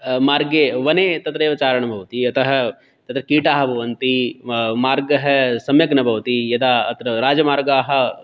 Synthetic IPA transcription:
maːɾɡeːʋɐneːt̪ɐt̪ɾeːʋɐt͡ʃaːɾɐɳ̃ɐbʱɐwt̪iɐt̪ɐɦɐ | t̪ɐt̪ɾɐkiːʈaːɦɐbʱɐʋɐnt̪imaːɾɡɐɦɐsɐmjɐknɐbʱɐʋt̪ijɐd̪aːɐt̪ɾɐɾaːd͡ʒɐmaːɾɡaːɦɐ̆

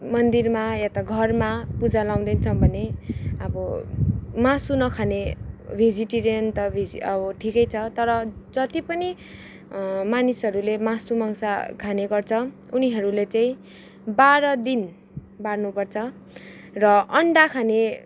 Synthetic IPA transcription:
mʌnd̪irmajat̪aɡʱʌrmapud͡zalaw̃d̪ʌnt͡sʰʌbʱʌneʌbʌ | masunʌkʰanebʱid͡ziʈiɾijʌnt̪ʌbʱid͡zḭʌbʌʈʰikʌjt͡sʰʌt̪ʌɾʌd͡zʌt̪ipʌni | manisɦʌɾulemasumʌŋsakʰaneɡʌrt͡sʰʌ | uniɦʌɾulet͡saĩ | baɾʌd̪in | barnupʌrt͡sʰʌ | rʌʌɳɖakʰane

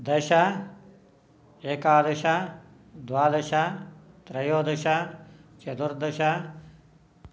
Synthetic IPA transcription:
d̪ɐʃa | eːkaːd̪ɐʃa | d̪ʋaːd̪ɐʃat̪ɾɐjoːd̪ɐʃat͡ʃɐd̪uɾd̪ɐʃa

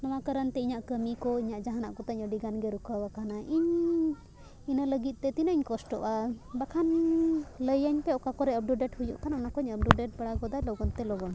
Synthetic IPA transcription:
nɔw̃akaɾənt̪ɛiɲaʔkəmikɔiɲaʔd͡ʒaɦana̰ʔkɔt̪aɲəɖiɡanɡɛɾukʰawakʰanaʔiɲ | inələɡit̪̚ˀt̪ɛt̪inəɲkɔsʈɔʔabakʰan | ləjəɲpɛɔkakɔɾɛəp̚ɖuɖɛʈhujṵʔkʰanaɔnakɔɲəb̚ɖuɖɛʈ̚baɽaɡɔd̪ajlɔɡɔnt̪ɛlɔɡɔn

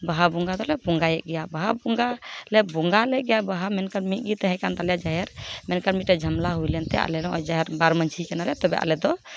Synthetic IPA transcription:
baɦabuŋɡad̪ɔlɛbuŋɡajɛʔ̚ɡɛjabaɦabuŋɡalɛbuŋɡalɛɡɛjabaɦamɛnkaɾmit̪̚ˀɡit̪ɛɦɛ̃kand̪alɛjad͡ʒaɦɛɾmɛnkaɾmit̪̚ɾɛd͡ʒʱəmlaɦujlɛnt̪ɛ̰ʔa̰lɛlɔɔjd͡ʒaɦɛɾbaɾmənt͡ʃʰikɛnalɛt̪ɔbɛʔa̰lɛd̪ɔ

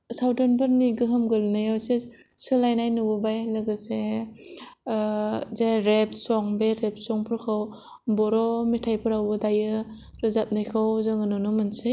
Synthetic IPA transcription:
sawdɔnbɯɾniɡɯɦɯmɡɯlnajɔwse | sɯlajnajnubɯbajlɯɡɯse | zaɾep̚sɔŋbeɾep̚sɔŋpʰɯɾkʰaw | bɔɾɔmitʰajpʰɯɾawbɯdajɯ | ɾɯzap̚najkʰawzɯŋɯnɔnɔmɯnsɯ

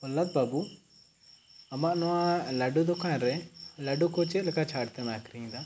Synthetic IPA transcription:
ɔlːat̪̚babu | ɐmaʔnɔwãlɐɖud̪ɔkanɾɛlɐɖukɔt͡ʃet̪lɛkat͡ʃʰaːɽt̪ɛmaːkɾiɲd̪a

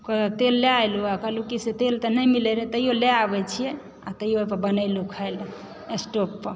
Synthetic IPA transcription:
kət̪elːeajloakəlukiset̪elt̪ənəjmileɾet̪əjoleabɛt͡ʃʰijɛ | at̪əjopəɾbənəɪlukʰəjl | esʈopːəɾ

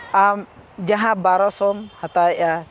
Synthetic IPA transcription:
am | d͡ʒaɦãbaɾɔsɔmhat̪aɛʔa

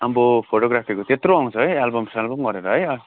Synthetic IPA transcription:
ambopʰoʈoɡɾapʰikot̪et̪roʌŋ̃t͡sʰʌɦʌjalbʌmsalbʌmɡʌɾeɾʌɦʌjʌ

